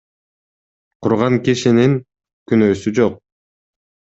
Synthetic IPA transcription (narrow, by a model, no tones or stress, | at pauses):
qʰuɾʁɑŋkiʃiniŋ | kynøːsyd͡ʒoq̚